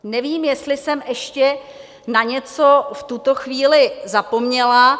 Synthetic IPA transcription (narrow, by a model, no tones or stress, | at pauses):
nɛviːmjɛst̪lɪsɛmɛʃcɛ | naɲɛt͡so̞ft̪ut̪o̞xviːlɪzapo̞mɲɛla